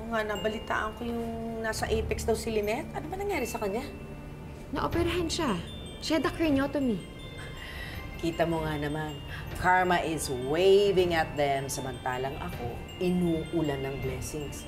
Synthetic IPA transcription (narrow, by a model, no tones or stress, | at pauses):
oŋanɐbɐlɪt̪a̰ːʔɐŋkojʊŋnaːsɐʔɛpɛksd̪ɐwsɪlɪnɛt̪ʔɐnomɐnɐŋjaːɾɪsɐkɐɲːa | nɐʔopɛɾɐɦɐnʃa | ʃad̪ɐkɹinoːt̪omi | kiːt̪ɐmoŋanɐman | kʰaɹmɐʔɪswejvɪŋɐt̪̚d̪ɛmsɐmɐnt̪aːlɐŋɐ̰ko̞ | ʔɪnuːʔʊlanːɐŋblɛsɪŋs